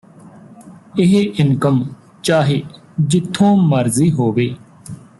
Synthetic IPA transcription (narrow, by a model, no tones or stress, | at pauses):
ɪɦʔɪnkəm | t͡ʃaːɦeː | d͡ʒɪt̪ʰːõːməɾziːɦoːʋeː